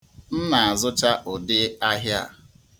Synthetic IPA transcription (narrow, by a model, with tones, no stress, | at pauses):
n̩˦na˨a˨zʊ˦t͡ʃa˦ʔʊ˨dɪ˦a˦ɦja˦a̰˨